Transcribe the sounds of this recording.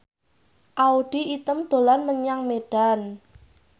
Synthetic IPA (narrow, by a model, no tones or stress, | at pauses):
ʔauɖ̥iit̪əmd̪̥o̤lanməɲaŋmeɖ̥an